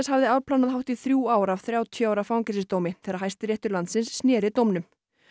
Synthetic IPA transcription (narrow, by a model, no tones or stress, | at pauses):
shavðɪavpʰlanaðɦawht̪iθɾjuːaːwɾav̥θɾjaːwt̪ʰjœawɾafawŋcɛsɪst̪oːwmɪθɛːɾaɦajst̪ɾjɛht̪ʏɾlant̪sɪnsːnjɛːɾɪt̪owmnʏm